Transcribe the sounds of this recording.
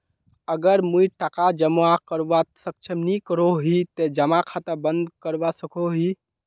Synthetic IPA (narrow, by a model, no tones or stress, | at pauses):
əɡəɾmuiʈakad͡ʒəmakəɾʋasək̚t͡ʃʰəmnikəɾoɦit̪ed͡ʒəmakʰat̪əbənd̪kəɾʋasəkʰoɦi